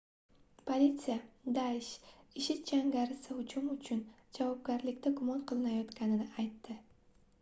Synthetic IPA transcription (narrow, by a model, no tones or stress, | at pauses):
pʰolʲit̪sɨjad̪aɪʃɪʃɪt̪̚d͡ʒaŋɡʲaɾɪsɪʊt͡ʃʰʊmʊt͡ʃʰʊnd͡ʒavɒb̚ɡʲaɾlɪkʲt̪aɡʊmɒnqʰɨlˠɪnajɒt̪kʲanɪnɪajt̪ːɪ